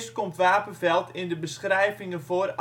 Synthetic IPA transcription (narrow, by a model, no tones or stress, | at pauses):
stkomtʋaːpənvɛlˠtʰɪndəbəsχrɛjvɪŋənfoər